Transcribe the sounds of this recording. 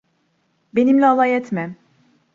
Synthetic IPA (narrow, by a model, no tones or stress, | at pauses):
be̞nimlʲɛalˠajɛt̪mɛm